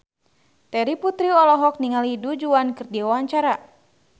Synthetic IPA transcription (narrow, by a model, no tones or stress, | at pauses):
t̪ɛɾiput̪ɾiɔlɔɦɔk̚niŋalidud͡ʒuankɨrdiwawaɲt͡ʃaɾa